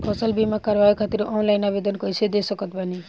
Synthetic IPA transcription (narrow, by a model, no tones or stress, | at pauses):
pʰʌsʌlbimakaɾbajikʰat̪iɾɔ̃w̃nlajnabed̪ʌnkʌjsʰed̪esʌkʌt̪̚bani